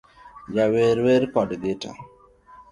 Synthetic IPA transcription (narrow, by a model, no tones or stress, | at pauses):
d͡ʒaweɾweɾpɔdɡɪta̰